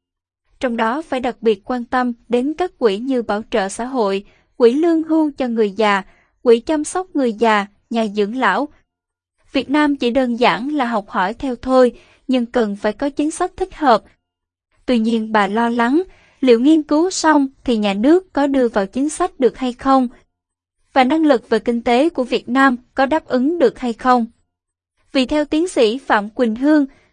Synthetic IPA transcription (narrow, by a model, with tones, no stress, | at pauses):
t͡ɕɔ˧wŋ͡mɗɔ˨˦faː˧˩jɗa˨˩k̚ɓi˨˩t̚kwaː˧nt̪ə˧mɗe˨˦nkaː˦˥k̚kwḭ˧˩ɲɨ˧ɓaː˧˩wt͡ɕə̰ː˧˨sa̰ː˧˥ɦo̰˧˨j | kwḭ˧˩lɨ˧əŋɦu˧t͡ɕɔ˧ŋɨ˨˩əjzaː˨˩ | kwḭ˧˩t͡ɕa˧msa˦˥wk͡p̚ŋɨ˨˩əjzaː˨˩ | ɲaː˨˩zɨ̰˧˥əŋla̰ː˧˥˨w | vi˨˩ət̚naː˧mt͡ɕḭ˧˩ɗəː˧nza̰ː˧˩ŋlaː˨˩ɦa˨˩wk͡p̚hɔ˧˩jt̪ʰɛ˧wt̪ʰo˧j | ɲɨ˧ŋkə˨˩nfaː˧˩jkɔ˨˦t͡ɕï˨˦nsa˦˥jk̚t̪ʰï˦˥k̟̚həː˨˩p̚ | t̪wi˧ɲi˧ənɓaː˨˩lɔ˧la˨˦ŋ | lḭ˧˩əwŋi˧ənkɨ˨˦wsa˧wŋ͡mt̪ʰi˨˩ɲaː˨˩nɨ˦˥əkːɔ˨˦ɗɨ˧əvaː˨˩wt͡ɕi˨˦ənsa˦˥jk̟̚ɗɨ˨˩ək̚ha˧jxə˧wŋ͡m | vaː˨˩na˧ŋlɨ˨˩k̚ve˨˩kï˧ŋ̟t̪e˨˦ku˧˩əvi˨˩ət̚naː˧mkɔ˨˦ɗaː˦˥p̚ʔɨ˨˦ŋɗɨ˨˩ək̚ha˧jxə˧wŋ͡m | vi˨˩t̪ʰɛ˧wt̪i˨˦ənsḭ˧˩fa̰ː˧˨mkwï˨˩ŋ̟ɦɨ˧əŋ